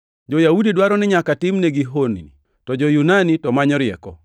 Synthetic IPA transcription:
d͡ʒɔjaudidwaɾɔnɛɲakatɪmnɛɡiɦonḭni | tɔd͡ʒɔjunanitɔmaɲɔɾɪɛ̰kɔ

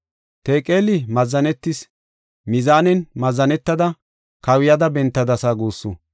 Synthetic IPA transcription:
t̪eːkʼeːlɪmɐzːɐnɛt̪ːɪs | mɪzaːnɛnmɐzːɐnɛt̪ːɐd̪ɐ | kɐwɪjɐd̪ɐbɛnt̪ːɐd̪ɐsaːɡuːsːʊ̰

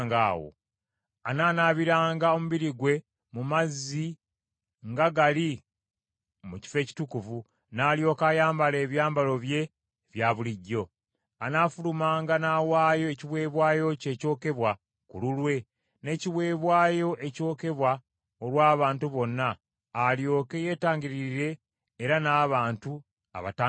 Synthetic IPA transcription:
ŋɡa̰ːwo̰ | anaːnaːβiɾaːŋɡao̞muβiɾiɡwe̞ | mumazːi | ŋɡaɡali | muci̥fe̞ːci̥tukuvu | naːlijo̞ːkajaːmbale̞ːβjaːmbalo̞βje̞ | βjaβuliɟːo̞ | anafulumaːŋɡanaːwaːjo̞eciβwe̞ːβwaːjo̞ce̞ːco̞ːke̞βwa | kululwe̞ | ne̞ciβwe̞ːβwaːjo̞ʔe̞co̞ːke̞βwa | olwaːβaːntuβo̞nːaː | ljo̞ːke̞je̞ːtaːɲɟiɾiɾɾe̞ː | ɾanaːβaːntu | a̰βa̰taː

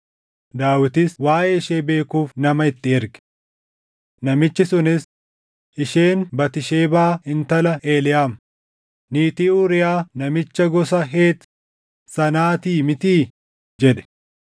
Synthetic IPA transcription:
d̪aːwɪt̪ɪswaːʔeːɪʃeːbe̞ːkuːfnɐmɐɪt̪ːɪɛɾɡɛ̥ | nɐmɪt͡ʃːɪsʊnɪs | ʔɪʃe̞ːnbɐt̪ɪʃeːbaːɪnt̪ɐlɐʔe̞ːlɪjaːm | niːt̪iːuɾɪjaːnɐmɪt͡ʃːɐɡɔsɐɦe̞ːt̪ | sɐnaːt̪iːmɪt̪iː | d͡ʒɛᶑɛ̥

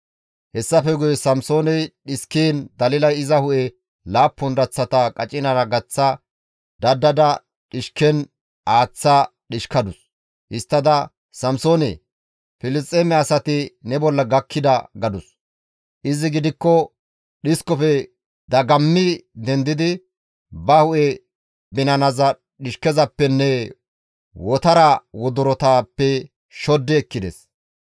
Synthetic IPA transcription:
hɛsːɐfɛɡʊjɛsɐmso̞ːnɛjɗɪskiːnd̪ɐlɪlɐjɪzɐhʊʔɛ | laːpːɔnd̪ɐt͡sːɐt̪ɐkʼɐt͡ʃʼɪnɐɾɐɡɐt͡sːɐ | d̪̥ɐd̪ːɐd̪ɐ | ɗɪʃkɛn | ʔaːt͡sːɐɗɪʃkɐd̪ʊs | hɪst̪ːɐd̪ɐ | sɐmsoːnɛ̰ | fɪlɪst̪ʼːemɛɐsɐt̪ɪnɛbɔlːɐɡɐkʰːɪd̪ɐɡɐd̪ʊs | ʔɪzɪɡɪd̪ɪkːɔ | ɗɪskɔfɛ | d̪ɐɡɐmːɪd̪ɛnd̪ɪd̪ɪ | bɐhʊʔɛ | bɪnɐnɐzɐ | ɗɪʃkɛzɐpːɛnːɛ | wɔt̪ɐɾɐwɔd̪ʊɾɔt̪aːpːɛ | ʃɔd̪ːɛːkːɪd̪ɛs

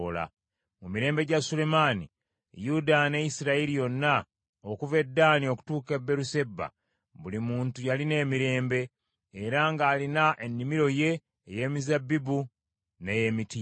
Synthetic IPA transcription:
ola̰ | mumiɾe̞ːmbe̞ɟasule̞manḭ | judane̞jisiɾailijo̞nːa | okuve̞dːaːnio̞ku̥tuːkebːe̞ɾuse̞bːa̰ | βulimuːntujaline̞ːmiɾe̞ːmbe̞ː | ɾaŋɡaːlinaʔenːimiɾo̞je̞ː | je̞ːmizabibu | ne̞jemiti

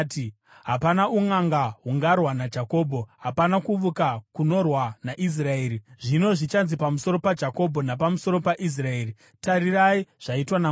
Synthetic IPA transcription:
ti | ɦapanauŋaŋɡaɦuŋɡarwanad͡ʒako̞ːbʱo̞ɦapanakuʋukakuno̞rwanaʔis̬rae̞ːɾiʐino̞ʐit͡ʃanzipamuso̞ɾo̞pad͡ʒako̞bʱo̞napamuso̞ɾo̞paʔis̬rae̞ːri | taɾiraiʐ̥aitwana

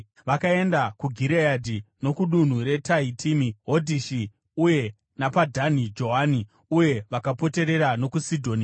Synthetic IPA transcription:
ʋakae̞ndakuɡʱiɾejadʱino̞kuɗun̤uɾe̞taitʰimiɦo̞dʱiʃi | uje̞ | napadʱanid͡ʒo̞ɦani | uje̞ʋakapo̞te̞ɾe̞ɾano̞kusidʱo̞ːni

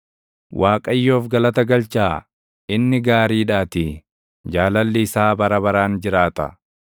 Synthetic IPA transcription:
wʔaːkʼɐjːo̞ːfɡɐlɐt̪ɐɡɐlt͡ʃaː | ɪnːɪɡaːɾiːᶑaːt̪ɪ | d͡ʒaːlɐlːɪːsaːbɐɾɐbɐɾaːnd͡ʒɪɾaːt̪ɐ̰

